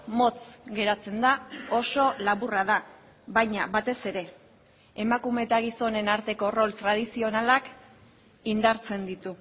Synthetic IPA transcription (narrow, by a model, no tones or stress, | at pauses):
mo̞t͡sɡe̞ɾat͡se̞nd̪ao̞so̞laβuraða | βajɲaβat̪e̞se̞ɾe̞ | emakume̞t̪aɣ̞iso̞ne̞naɾt̪e̞ko̞ro̞lt̪ɾað̞isio̞nalak | ind̪aɾt͡se̞nd̪it̪u